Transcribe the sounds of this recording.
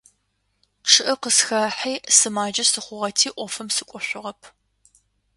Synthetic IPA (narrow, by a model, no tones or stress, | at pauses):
ʈ͡ʂʰɨʔɐqəsxɐħiːsɨmaːd͡ʒɐsɨχʷʊʁɐtʰiːʔʷɔfɨmsɨkʷʼɔɕʷʊʁɐpʰ